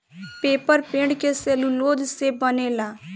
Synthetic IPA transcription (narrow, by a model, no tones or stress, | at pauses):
peːpəɾpẽːɖkeseːluloːd̪sebəneːlaː